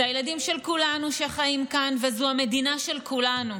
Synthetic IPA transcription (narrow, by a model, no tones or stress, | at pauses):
ajeladimʃe̞lkulanuʃeχajimkanvezuame̞dinaʃe̞lkulanu